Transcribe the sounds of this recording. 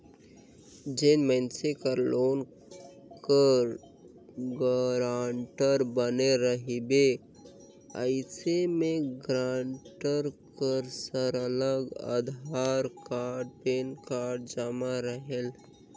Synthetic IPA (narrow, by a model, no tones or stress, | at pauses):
d͡ʒenmənsekəɾloːn | kəɾ | ɡəɾaːɳʈəɾbəneɾəɦibe | ə̰ɪsemeɡɾaɳʈəɾkəɾsəɾələɡə̰d̪ʱaɾkaɾɖ̚penkaɾɖd͡ʒamaɾəɦel